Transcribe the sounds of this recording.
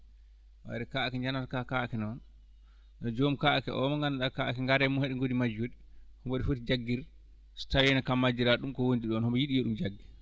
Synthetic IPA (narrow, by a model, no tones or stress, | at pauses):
wa̰ɾɛkaakɛɲd͡ʒanaɾkakakɛnɔn | ɗɔd͡ʒomkaakɛʔɔ̰mɔŋɡanaɗakaʔakɛŋɡaɾɛmɔhɛɗɛŋɡodimad͡ʒoɗihɔmboɗifotid͡ʒaɡːiɾ | stawɛnakamːad͡ʒiɾaɗumkɔwondiɗɔnhɔmbɔjiɗijeɗumd͡ʒaɡːi